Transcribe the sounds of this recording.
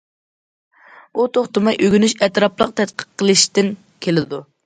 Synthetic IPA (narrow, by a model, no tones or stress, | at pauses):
ut̪ʰoχt̪ɨmɑjʔøɡʲynyʃɛt̪ɾɑplˠəq̚t̪ʰɛt̪̚qʰə̥qʰːəlˠɨʃt̪ɪn | kʲʰelɪd̪u